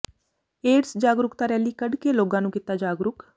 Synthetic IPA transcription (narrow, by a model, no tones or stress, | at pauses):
eːɾsd͡ʒaːɡɾʊkt̪aːɾɛːliːkəɖkeːloːɡãːnũːkɪt̪aːd͡ʒaːɡɾʊk